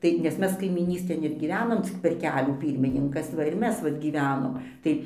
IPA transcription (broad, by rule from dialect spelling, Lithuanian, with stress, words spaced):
ˈtɐɪ nʲɛs ˈmʲɛs kɐɪmʲiːˈnʲiːsʲtʲeːn ɪr ɡʲiːˈʋʲæːnoːm t͡sʲɪk pʲɛr ˈkʲæːlʲuː ˈpʲiːrʲmʲɪnʲɪŋkɐs ˈʋɐ ɪr ˈmʲɛs ˈʋɐt ɡʲiːˈʋʲæːnoːm ˈtɐɪ